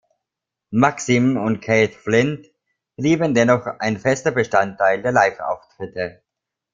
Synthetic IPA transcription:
maksimʊnt̚kʰeɪtflɪnt | b̥liːbəndɛnɔχaɪnfɛstɐbəʃtantʰːaɪldeːɐlaɪfʔa̰ʊftʁ̥ɪtə

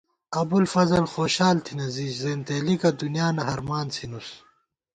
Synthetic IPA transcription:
ɐbulfɐzɐlxoːɕaːlt̪ʰinɐziːd͡ʑzeːnt̪eːlikɐd̪unijaːnɐɦɐɾmaːnsʰinus

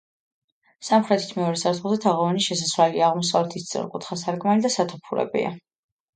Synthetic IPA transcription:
samχɾɛt̪ʰi̥t̪ʰmɛɔɾɛsaɾt̪ʰχut̪ɛt̪ʰaʁɔvaniʃɛsaswaliaaʁmɔsavlɛt̪ʰist̪sʼɔ̰ɾkʼut̪ʰχasaɾkʼmalid̪asat̪ʰupʰuɾɛ̰bḭa̰

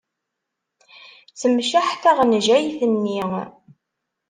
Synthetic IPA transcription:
t͡səmʃaħθæʁnʒæjθənːi

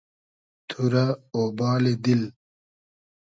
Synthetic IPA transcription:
t̪ʰuɾaoːbaːled̪il

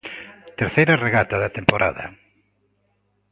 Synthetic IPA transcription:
t̪eɾθejɾɐreɣat̪aðɐt̪empoɾʔa̰ðɐ̰

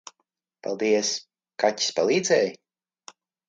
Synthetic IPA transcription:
pa̰lˠd̪iɛs | kati̥spa̰lˠiːd̪zɛːj

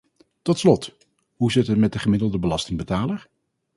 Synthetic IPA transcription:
tɔtslɔt | ɦuzɪtɦətmɛt̚dəχəmɪdəlˠdəbəlɑstɪŋbətaːləɹ

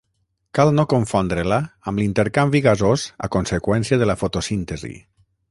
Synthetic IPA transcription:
kalˠnokoɱfond̪ɾelaːmlint̪eɾkambiɣazoza̰konsekwɛnsiaðəlafot̪osint̪ezḭ

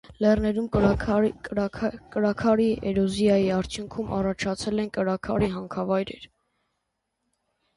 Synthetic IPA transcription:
lɛrnɛɾum | kəɾɑkʰɑɾiʔɛɾɔzjɑjiɑɾt͡ʃʰjuŋkʰumʔɑ̰rɑt͡ʃʰɑt͡sʰɛlɛnkəɾɑkʰɑɾiɦɑŋkʰɑvɑjɾɛ̰ɾ

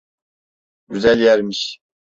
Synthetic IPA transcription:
ɟyzælʲjæɾmiʃ

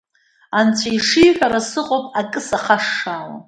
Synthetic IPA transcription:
ant͡sʷʰajʂijħʷᶣaɾasɨqʼopʼakʼɨsaqʰaʂːaːla̰

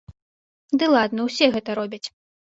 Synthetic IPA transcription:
d̪ɨlˠad̪nɐwsʲɛɣɛt̪ɐɾɔbʲɐt͡sʲ

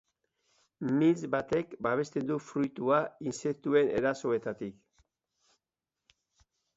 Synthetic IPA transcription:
mizbat̪e̞kbaβ̞e̞st̪e̞nd̪ufɾujt̪uainse̞k̚t̪ue̞nʔe̞ɾaso̞e̞t̪at̪ik

